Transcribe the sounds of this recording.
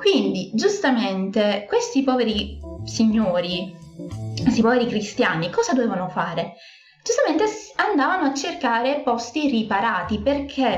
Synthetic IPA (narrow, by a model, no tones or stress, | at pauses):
kwind̪id͡ʒust̪ament̪ekwest̪ipɔːveɾisiɲːoːɾi | kwest̪ipɔveɾikɾist̪janikɔːzad̪oveːvanofaːɾe | d͡ʒust̪ament̪esand̪aːvanoat͡ʃːerkaːɾepɔst̪iripaɾaːt̪iperkʰe